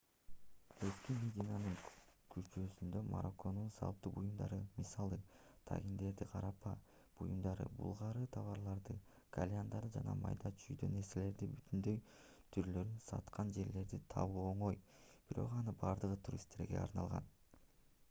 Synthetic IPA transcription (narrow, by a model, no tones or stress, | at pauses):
eskʲimʲedʲinanɯŋkʰyɾt͡ʃøsynd̪ø̞ma̰ɾoko̞nunsɑ̰lˠpt̪ːubujumd̪ɑ̰ɾɯmisɑlˠɯ | t̪ʰa̰ɡʲind̪e̞ɾd̪iqʰɑɾɑpɑ̰ | b̥ujumd̪ɑɾɯ̰bṵlˠʁɑɾɯt̪ʰɑβɑɾlˠɑɾd̪ɯ | ɡ̥alʲjand̪ɑɾd̪ɯd͡ʒɑnɑ̰mɑ̰jd̪ɑt͡ʃʰyjd̪ø̰ne̞ɾse̞le̞ɾd̪ibyt̪ʰynd̪ø̞j | t̪ʰyɾlø̞ɾynsɑ̰t̪qʰɑnd͡ʒe̞ɾle̞ɾd̪it̪ʰɑ̰βuoɴo̞jb̥iɾo̞̰qɑnɯbɑɾd̪ɯʁɯt̪ʰuɾʲḭst̪e̞ɾɡe̞̰ɑ̰ɾnɑlˠʁɑ̰n